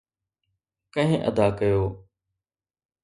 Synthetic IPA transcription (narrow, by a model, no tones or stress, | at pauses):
kə̃ɦɪ̃ʔə̰d̪aːkəjoː